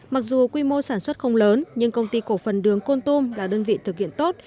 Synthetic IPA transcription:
ma˨˩k̚zu˨˩kwi˧mo˧saː˧˩nswə˦˥t̚xə˧wŋ͡mləː˨˦nɲɨ˧ŋkə˧wŋ͡mt̪i˧ko˧˩fə˨˩nɗɨ˨˦əŋko˧nt̪u˧mlaː˨˩ɗəː˧nvḭ˧˨t̪ʰɨ˨˩k̚hḭ˧˨ənt̪o˦˥t̚

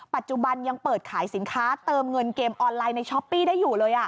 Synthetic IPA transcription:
pa˨˩t̪̚t͡ɕu˨˩ba˧nja˧ŋpɤː˨˩t̪̚kʰaː˩˦jsi˩˦nkʰaː˦˥t̪ɤː˧mŋɤ˧nkeː˧mʔɔː˧nlaː˧jna˧jt͡ɕʰɔ˦˥pːiː˥˩daː˥˩jːuː˨˩lɤː˧jʔa˨˩

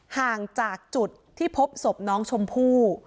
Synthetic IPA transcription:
haː˨˩ŋt͡ɕaː˨˩k̚t͡ɕu˨˩t̪ʰːiː˥˩pʰo˦˥p̚so˨˩p̚nɔː˦˥ŋt͡ɕʰo˧mpʰuː˥˩

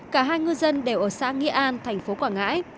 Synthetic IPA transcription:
kaː˧˩ɦaː˧jŋɨ˧zə˧nɗe˧˩wʔəː˧˩saː˧˥ŋi˧ʔaː˧nt̪ʰɛ˨˩jŋ̟fo˨˦kwaː˧˩ŋa̰ː˧˥j

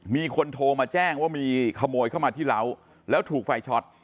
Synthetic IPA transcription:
miː˧kʰo˧nt̪ʰoː˧maː˧t͡ɕɛː˥˩ŋwaː˥˩miː˧kʰa˧moː˧jkʰa˥˩wmaː˧t̪ʰiː˥˩la˦˥w | lɛː˦˥wt̪ʰuː˨˩k̚fa˧jt͡ɕʰɔ˦˥t̪̚

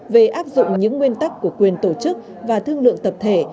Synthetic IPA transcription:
ve˨˩ʔaː˦˥p̚zʊ̰˧˨ŋ͡mɲɨ̰˧˥ŋːwi˧ənt̪a˦˥kːu˧˩əkwi˨˩ənt̪o˧˩t͡ɕɨ˦˥k̚ | vaː˨˩t̪ʰɨ˧əŋlɨ̰˧˨əŋt̪ə˨˩p̚t̪ʰe˧˩

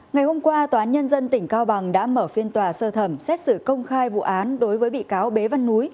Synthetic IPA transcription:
ŋa˨˩jho˧mkwaː˧t̪oː˨˩ʔaː˨˦nɲə˧nzə˧nt̪ï˧˩ŋ̟kaː˧wɓa˨˩ŋɗa̰ː˧˥məː˧˩fi˧ənt̪waː˨˩səː˧t̪ʰə˧˩msɛ˦˥t̚sɨ˧˩kə˧wŋ͡mxaː˧jvṵ˧˨ʔaː˨˦nɗo˨˦jvəː˨˦jɓḭ˧˨kaː˨˦wɓe˨˦va˧nːu˨˦j

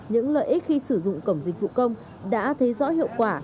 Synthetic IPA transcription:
ɲɨ̰˧˥ŋlə̰ː˧˨jʔi̟˦˥xi˧sɨ˧˩zʊ̰˧˨ŋ͡mkə˧˩wŋ͡mzi˨˩k̟̚vṵ˧˨kə˧wŋ͡m | ɗa̰ː˧˥t̪ʰə˨˦jzɔ̰˧˥hḭ˧˨əwkwaː˧˩

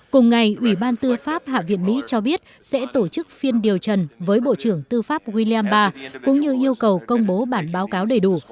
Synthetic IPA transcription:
kʊ˨˩ŋ͡mŋa˨˩jʔwi˧˩ɓaː˧nt̪ɨ˧əfaː˦˥p̚ha̰ː˧˨vḭ˧˨ənmḭ˧˥t͡ɕɔ˧ɓi˦˥ət̚sɛ̰˧˥t̪o˧˩t͡ɕɨ˦˥k̚fi˧ənɗi˨˩əwt͡ɕə˨˩nvəː˨˦jɓo̰˧˨t͡ɕɨ˧˩əŋt̪ɨ˧faː˦˥p̚ɣwi˧li˧aː˧mɓaː˧kʊ̰˧˥ŋ͡mɲɨ˧ʔi˧əwkə˨˩wkə˧wŋ͡mɓo˨˦ɓaː˧˩nɓaː˨˦wkaː˨˦wɗe˨˩jɗu˧˩

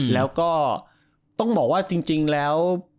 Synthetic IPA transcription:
lɛː˨˦˥wkɔ˨˦˥ | t̪ɔ˧˥wŋ͡mɓɔ˨˩kwaː˨˦˥t͡ɕi˧ŋt͡ɕi˧ŋlɛ˨˦˥w

